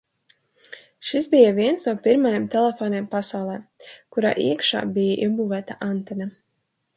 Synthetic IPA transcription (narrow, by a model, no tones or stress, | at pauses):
ʃisbijaviɛnsnuɔpiɾmajamt̪ɛlʲˠɛfoːneːmpasawlˠɛːkuɾa̰ːʔḭɛkʃa̰ːbijaʔibuːvæːt̪aʔant̪ɛna